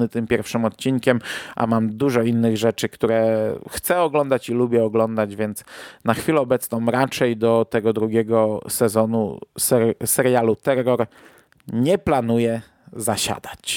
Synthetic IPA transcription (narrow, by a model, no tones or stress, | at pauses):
ɘt̪ɘmpʲjɛɾfʂɘmɔt̪̚t͡ɕiŋkʲɛmʔa̰mamd̪uʐɔinːɘɣʐɛt͡ʂɘkt̪uɾɛxt̪sɛɔɡlɔnd̪at͡ɕilubʲjɛɔɡlɔnd̪ad͡ʑvʲjɛnt̪snaxfʲilɛɔbɛt̪snɔ̃m̃ɾat͡ʂɛjd̪ɔt̪ɛɡɔd̪ɾuɡʲɛɡɔsɛzɔnṵsɛɾsɛɾjalut̪ɛɾːɔɾ | ɲɛplanujɛ | zaɕa̰d̪at͡ɕ